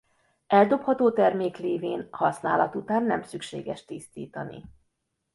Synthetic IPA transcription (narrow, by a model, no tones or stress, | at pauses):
ɛld̪o̞phɒt̪oːt̪ɛrmeːkleːveːnhɒsna̰ːlɒt̪ut̪aːnːɛ̰msykʃḛːɡɛʃt̪ist̪ḭːt̪ɒnḭ